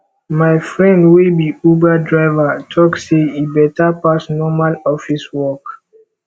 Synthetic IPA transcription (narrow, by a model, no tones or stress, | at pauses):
majfɹɛ̃ndwibiubadɹaɪvatʰɔkseibɛtapasnɔmalɔfiswɔk